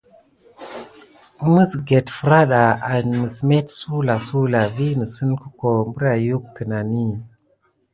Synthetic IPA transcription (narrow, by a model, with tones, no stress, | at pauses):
mə˦sɡe˨tfə˨ɾa˦ɗa˨a˨mə˨sme˦tsu˦la˨su˦la˨vi˦nə˨sə˦nku˦ko˨mbə˦ɾa˨ju˦kːə˨na˨ni˦